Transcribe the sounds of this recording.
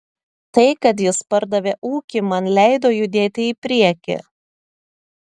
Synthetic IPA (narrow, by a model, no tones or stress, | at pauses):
t̪ɐɪkɐt̪̬jɪspɐɾd̪ɐʋʲeːʔuːkʲɪmɐnlʲæɪd̪oːjʊd̪ʲeːt̪ʲɪɪpʲɾʲiɛkʲɪ̰